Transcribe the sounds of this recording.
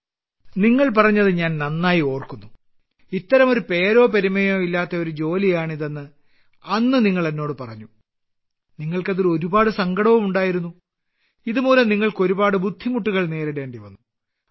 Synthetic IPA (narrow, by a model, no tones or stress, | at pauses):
niŋːɐɭpɐrɐɲːɐðɨɲaːnnɐnːaːjio̞ːrkunːu | it̪ːɐɾɐmo̞ɾupe̞ːɾo̞ːpeɾimːɐjo̞ːilːaːt̪ːɐo̞ɾud͡ʑo̞ːlijaːɳiðenːɨ | ɐnːɨniŋːɐɭɐnːo̞ːɽɨpɐrɐɲːu | niŋːɐɭkɐðoɾuo̞ɾubaːɽɨsɐŋɡɐɽɐʋɐmuɳɖaːjiɾunːu | iðumuːlɐmniŋːɐɭko̞ɾubaːɽɨbud̪ʱːimuʈːuɣɐɭne̞ːɾeɽe̞ːɳɖiʋɐnːu